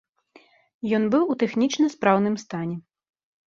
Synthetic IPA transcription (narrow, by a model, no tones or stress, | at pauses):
jɔnbɨwut̪ɛxnʲit͡ʂnɐspɾawnɨmst̪anʲɛ